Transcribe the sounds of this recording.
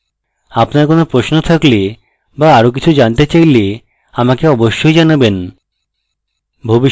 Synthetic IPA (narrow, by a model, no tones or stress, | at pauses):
apnaɾkonopɾosnot̪ʰakli | baaɾok̬it͡ɕʰud͡ʑant̪et͡ɕajle | amakeɔboʃːojd͡ʑanaben | bʱobi